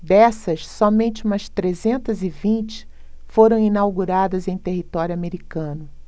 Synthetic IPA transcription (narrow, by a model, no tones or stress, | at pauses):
d̪ɛsɐsːɔmẽnt͡ʃɪũmɐst̪ɾezẽnt̪ɐzɪvĩnt͡ʃɪ̥ | foɾɐ̃w̃inawɡuɾad̪ɐzẽj̃t̪eɦit̪ɔɾjʊameɾikɐ̃nʊ